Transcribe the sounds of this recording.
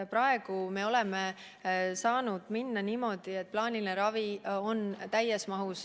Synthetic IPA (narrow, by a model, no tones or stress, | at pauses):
pɾɑe̞ɡ̥ume̞o̞lɛme | sɑːnud̪̥minːɑniːmo̞d̪̥ie̞t̪̚plɑːnilineɾɑvio̞nt̪æjːesmɑɦus